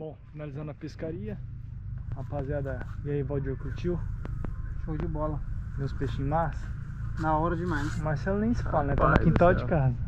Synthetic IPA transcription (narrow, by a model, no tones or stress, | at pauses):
b̥õfinalizɐ̃nd̪ʊɐpeskaɾiɐ | apaziad̪ɐɡaivawd͡ʒɪokɾʊt͡ʃiw | ʃoʊd͡ʒɪbɔlɐmẽspeʃĩɲmasɐ̥ | naɔɾɐd͡ʒɪmãj̃smaɾsɛlɐnẽj̃sɪ̥falɐnɛt̪ãmɐkĩnt̪awd͡ʒɪkaɦnɐ